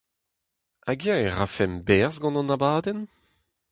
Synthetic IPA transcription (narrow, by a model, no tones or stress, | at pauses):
aɡjɛ̃ɛʁafɛmbɛʁzɡɑ̃nɑ̃nabaːdɛn